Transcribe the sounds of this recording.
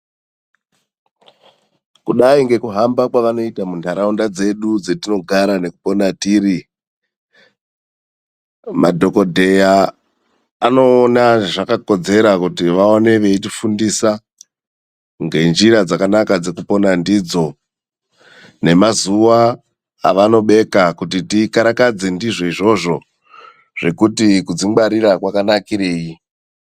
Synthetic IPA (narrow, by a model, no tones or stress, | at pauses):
kuɗaiŋɡe̞kuɦambakwaʋano̞itamuntaɾaundad͡ze̞ɗud͡zetino̞ɡʱaɾane̞kupo̞natiːri | madʱo̞ko̞dʱe̞jaː | no̞ːnaʐakako̞d͡ze̞ɾakutiʋaone̞ʋe̞itifundisa | ŋɡe̞nd͡ʒiɾad͡zakanakad͡ze̞kupo̞nandid͡zo̞ | ne̞mazuʋa̰ː | ʋano̞ɓe̞kakutitikaɾakad͡ze̞ndiʐo̞iʐo̞ʐo̞ | ʐ̥e̞kutikud͡zimɡ͡baɾiɾakwakanakiɾe̞ːji